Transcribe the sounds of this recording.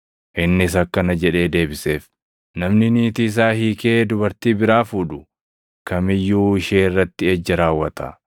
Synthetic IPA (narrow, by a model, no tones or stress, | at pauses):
ʔɪnːɪs̬ɐkːɐnɐd͡ʒɛᶑe̞ːd̪e̞ːbɪse̞ːf | nɐmnɪniːt̪iːs̬aːhiːke̞ːd̪ʊbɐɾt̪iːbɪɾaːfuːᶑʊ | kʰɐmɪjːuːɪʃeːɪrːɐt̪ːɪɛd͡ʒːɐɾaːwːɐt̪ɐ̰